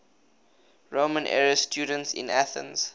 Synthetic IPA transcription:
ɹomə̃nʔɛ̰ɹəstʰjuːdə̃ntsɪ̰̃næθə̰̃nz̥

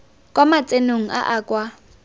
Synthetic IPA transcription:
kʼwamat͡sʼenoŋ̩ʔa̰ʔaːkʼwa

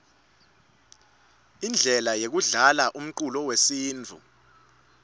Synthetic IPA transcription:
ind͡ɮʱɛlajek̬uɮalaʔum̩ǃulɔwesiːnd͡vʱṵ

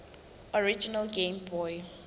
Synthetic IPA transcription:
ɔɹid͡ʒinəlɡẽmbɔj

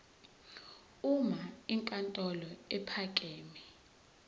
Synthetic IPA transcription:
umaiŋkʼantʼɔlɔɛpʰakʼeːmɛ

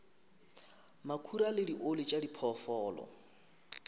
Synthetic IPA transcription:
makʰuɾalɪdiʔolit͡ʃʼadipʰɔfɔːlɔ̰

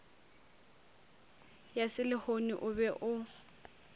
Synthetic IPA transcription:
jasɪlɪhoniʔʊbɛʔʊ

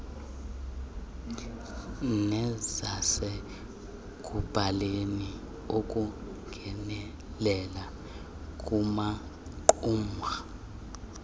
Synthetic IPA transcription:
nɛzasɛ | k̬ʼub̥ʱaleni | okʼuŋɡʱɛnɛ | lɛla | kʼuma | ǃuːma

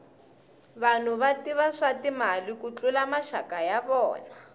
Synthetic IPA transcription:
βan̤uβatiβaʂatimalikut͡ɬulamaʃakajaβɔ̰ːna

